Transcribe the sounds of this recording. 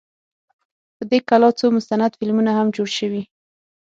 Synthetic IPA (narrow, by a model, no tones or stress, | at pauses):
pəd̪ekalɑt͡somʊst̪anad̪fɪlmunahamd͡ʒoɽʃəwi